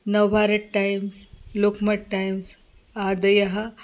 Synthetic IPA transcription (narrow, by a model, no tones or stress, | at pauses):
nɐʋbʱaɾɐʈʈːajmslokmɐʈʈajms | ad̪ɐjɐɦa